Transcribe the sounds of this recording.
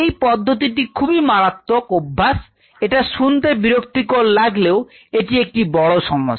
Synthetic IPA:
ejpɔd̪ʱːot̪iʈ̬ikʰubimaɾat̪ːokobʱːas | eʈaʃunt̪ebiɾok̚t̪ikoɾlaɡleo | eʈiek̚ʈibɔɭoʃɔŋːo̰

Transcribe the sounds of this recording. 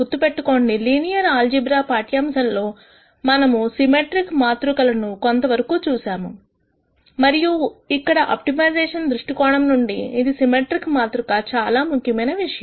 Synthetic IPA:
ut̪ːupe̞ʈːuko̞ːɳɖiliːnijɐɾaːld͡ʒibɾaːpaːʈjaːmsɐnlo̞ː | mɐnɐmusimeʈɾikmaːt̪ɾukɐlɐnuko̞nt̪ɐʋɐɾɐkuːt͡ʃuːsaːmu | mɐɾijuikːɐɽɐʔa̰ːp̚ʈimɐjd͡ʒɛːʂɐnd̪ɾuʂʈikɔːɽɐmnuɳɖiːd̪isimeːʈɾikmaːt̪ɾukat͡ʃaːlaːmukʰjɐmɐjnɐʋiʂɐjɐm

